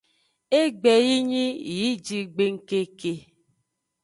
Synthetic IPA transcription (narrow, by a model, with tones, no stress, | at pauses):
e˦ɡ͡bɛ˨ji˦ɲi˦ji˨˦d͡ʒi˧ɡ͡be˧ŋ̩˦ke˧ke˧